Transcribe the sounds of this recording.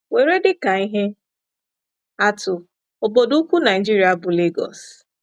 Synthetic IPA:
we˨ɾe˦dɪ˦ka˨i˦ɦe˦ | a˦tʊ˨ | o˨bo˨du˦kʷu˦na˨ɪ˨d͡ʒi˦ɾi˨˦a˨˦bʊ˨le˦ɡɔ̰˨s

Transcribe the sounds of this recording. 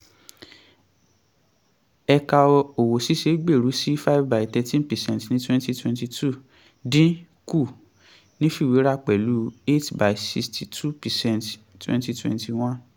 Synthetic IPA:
ɛ˧ka˧ɔ˧o˨wo˨si˦ʃe˨˦ɡ͡be˦˨ɾu˨˦si˦fa˦vba˨i˨tɛ˧tĩ˦npɛ˨sɛ̃˧˨ntnĩ˦twɛ̃˦nti˦twɛ̃˧nti˧tʰu˦˨ | dĩ˦ | ku˦˨ | nĩ˦fi˦˨we˨˦ɾa˦k͡pɛ˨lu˨˦e˦tba˨i˨si˧stʰi˨tʰu˦pɛ˨sɛ̃˦nt | twɛ̰̃˦nti˧twɛ̰̃˧˨nti˧˨w̃ã˦n

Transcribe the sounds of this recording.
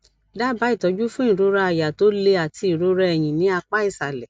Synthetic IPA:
da˦ba˨˦i˦˨tɔ˨˦d͡ʒu˦fũ˦ĩ˦˨ɾo˧˦ɾa˧a˧˨ja˨to˨˦le˧a˨ti˧i˨ɾo˨˧ɾɛ˧ɛ˨j̃ĩ˨nĩ˨˦a˧k͡pa˦i˦˨sa˨lɛ˨

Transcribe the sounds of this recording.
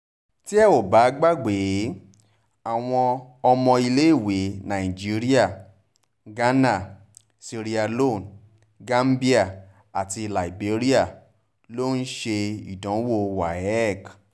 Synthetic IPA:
ti˦ɛ˦˨o˨ba˨˦ɡ͡ba˦ɡ͡be˨˦ | a˨w̃ɔ̃˧ɔ˧mɔ̃˧i˧le˦i˦˨we˨˦nã˨i˨d͡ʒi˨˦ɾi˦a˦˨ | ɡa˦na˦˨ | si˧ɾi˧a˧lo˦˨n | ɡa˦m˦bi˦a˦˨ | a˨ti˧la˨i˨be˨˦ɾi˦a˦˨ | lo˦n̩˦ʃe˧ḭ˨dɔ̃˨˦wo˦˨wa˨ɛ˦˨k

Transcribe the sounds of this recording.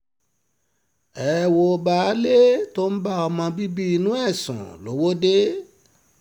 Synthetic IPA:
ɛ˨wo˧ba˨˦le˦to˦n̩˦ba˦ɔ˧mɔ̃˧bi˦bi˦i˧nũ˦ɛ˦˨sṵ̃˨lo˨˦wo˦de˦

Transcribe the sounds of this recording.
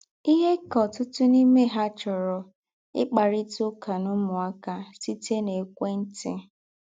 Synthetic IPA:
i˦ɦe˦kɔ˨tʊ˦tʊ˦ni˦me˦ɦa˦t͡ʃɔ˨ɾɔ˨ | ɪ̰˦k͡pa˨ɾɪ˦tʊ˦ka˨nʊ˦mʊ˨a˦ka˦si˦te˦ne˨kʷe˦n̩˦tɪ˦

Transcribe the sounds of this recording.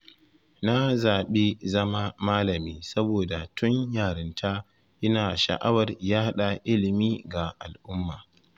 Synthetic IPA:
na˦zaː˨ɓe˦zɐ˦ma˦maː˦lɐ˨miː˦sɐ˦boː˨da˨tʰʊ˦ɲjaː˨ɽɪ˦ntʰaː˦ | ʔɪ˦naː˨ʃa̰˨ʔa˦wɐ˨rjaː˦ha˦ɗa˨ʔɪ˦lɪ˨miː˦ɡa˨ʔa˨lʔʊ˦mːaː˨

